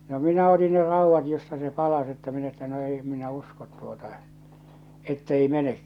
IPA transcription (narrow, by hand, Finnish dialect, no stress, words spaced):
no minæ oti ne rɑuʋːɑt jostɑ se pɑlɑs etːæ min etːæ no ei em minæ uskot tuotɑ etːei menek